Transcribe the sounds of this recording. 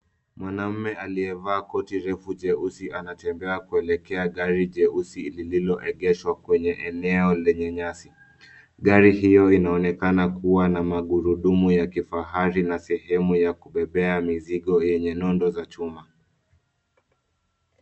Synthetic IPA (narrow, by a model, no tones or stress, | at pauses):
mwanam̩mɛaliɛvaːkɔtiɾɛfuʄɛusianatɛmbɛakuɛlɛkɛaɠaɾiʄɛusilililɔʔɛɠɛʃwakwɛɲɛʔɛnɛɔlɛɲɛɲasi | ɠaɾiɦijɔinaɔnɛkanakuwanamaɠuɾuɗumujakifaɦaɾinasɛhɛmujakuɓɛɓɛamiziɠɔjɛɲɛnɔndɔzat͡ʃuma